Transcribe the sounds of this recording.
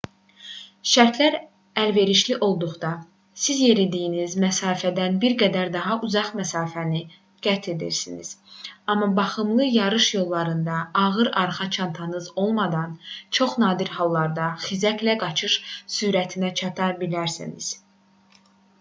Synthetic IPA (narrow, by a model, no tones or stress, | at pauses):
ʃæɾt̪ʰlæɾ | ælve̞ɾiʃliʔo̞lˠd̪uʁd̪ɑ | sizje̞ɾid̪ijinizmæsɑːfæd̪ænbiɾɡæd̪æɾd̪ɑɦɑʔuzɑχmæsɑːfæni | ɡ̥æt̪ʰed̪ḭɾsinḭz̥ɑmːɑbɑχɯmlˠɯjɑɾɯʃjo̞lˠːɑɾɯnd̪ɑːʁɯɾɑɾχɑt͡ʃʰɑnt̪ʰɑnɯzo̞lˠmɑd̪ɑnt͡ʃʰo̞χnɑːd̪iɾhɑlˠːɑɾd̪ɑxizæklæɡɑt͡ʃʰɯʃsuːɾæt̪ʰinæt͡ʃʰɑt̪ʰɑɾbilæɾsḭnḭz̥